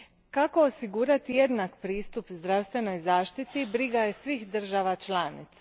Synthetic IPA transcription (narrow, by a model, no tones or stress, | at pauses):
kako̞osiɡuːɾat̪ijed̪nakpɾiːst̪upzd̪ɾast̪ʋe̞no̞jzaːʃt̪it̪ibɾiɡaje̞sʋiːxd̪r̩ʒaʋat͡ʃlaːnḭt̪sḁ